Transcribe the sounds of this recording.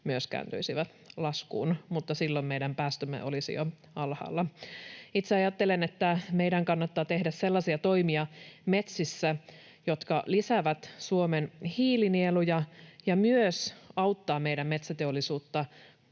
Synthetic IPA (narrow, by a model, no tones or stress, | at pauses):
myøskæ̰ːnt̪y̰isiʋæt̪ | lɑskṵːnmut̪ːɑsilːommeidæmpæːst̪ømːḛʔo̰lisḭjo̰ | ɑlhɑ̰ːlːɑ | it̪seɑjɑt̪ːelenet̪ːæmeidæŋkɑnːɑt̪ːɑːt̪e̞hdæsselːɑsiɑt̪o̞imiɑme̞t̪sisːæ | jot̪kɑlisæʋæt̪suomenhiːlinielujɑjɑmyøsɑut̪ːɑːmeiɾæmme̞t̪sæt̪eolːˑisuːt̪ːɑ